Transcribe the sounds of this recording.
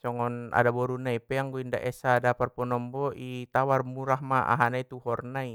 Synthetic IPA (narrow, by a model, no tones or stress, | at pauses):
t͡ʃɔŋɔna̰dabɔɾunaipɛaŋɡuinda̰ʔɛsaːdaparpɔnɔmbɔʔit̪awarmuɾahmaa̰ɦanait̪uhɔrnai